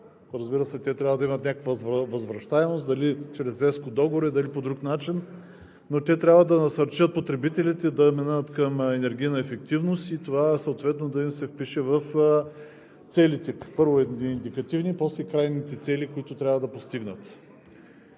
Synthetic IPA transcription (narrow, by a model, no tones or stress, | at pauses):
ɾɐzbiɾəsɛt̪ɛt̪ɾʲabvəd̪ɐimət̪nʲakəkvəvɐzvɾɐʃt̪aɛmost̪d̪ɐlit͡ʃɾɛzɾɛskod̪ɔɡoɾɛd̪ɐlipod̪ɾuknat͡ʃinː | ot̪ʲɛt̪ɾʲabvəd̪ɐnɐsɐɾt͡ʃət̪̚pot̪ɾɛbit̪ɛlit̪ɛd̪ɐmɛnaːt̪kɐmɛnɛɾɡʲijnɐɛfɛkt̪ivnost̪it̪ovasɐot̪vɛt̪nod̪ɐimsɛfpiʃɛvɐf | t̪sɛlit̪ɛpɤɾvoɛiind̪ikɐt̪ivnipɔslɛkɾajnit̪ɛt̪sɛlʲikʊit̪ʊt̪ɾʲavəd̪ɐpost̪iɡnət̪